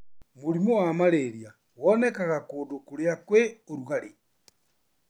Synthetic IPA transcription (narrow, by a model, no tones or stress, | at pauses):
moɾimowamaɾeɾja | wɔnɛkaɣakoːdokoɾeakweoɾuɣaɾe